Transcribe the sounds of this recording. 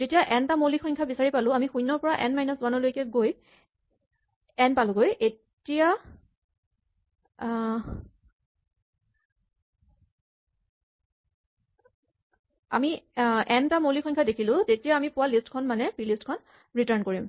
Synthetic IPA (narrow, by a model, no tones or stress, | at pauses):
zetijaʔɛntamolixɔɲkʰabisaɹipalʊ̃amixujnːɔɹpɔɹaʔɛnmajnɔswanɔlojkɛɡoj | ɛnpalʊ̃ɡojʔe | tija | a̰miɛntamolixɔɲkʰadekʰilʊ̃tetijaːmipʊwalistkʰɔnmanɛpilistkʰɔn | ɹitaɹnkoɹim